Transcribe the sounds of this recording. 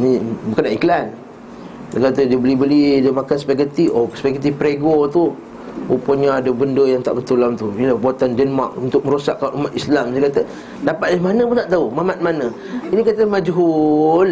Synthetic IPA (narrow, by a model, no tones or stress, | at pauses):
nibukənaʔiklan | səkat̪ədiəbəlibəlidəmakansə̥pak̬ət̪iosə̥pakət̪ifpəɾeɡot̪u | opuɲaːdəbəndəjaŋt̪a̰ʔbət̪ulamt̪uilahbuat̪andənmakunt̪ʊk̚mə̃ɾusakːaʔumat̪islamsəkat̪ə | dapat̪̚dəmanəpənaʔt̪aumamat̪̚manə | inikat̪əmad͡ʒɦul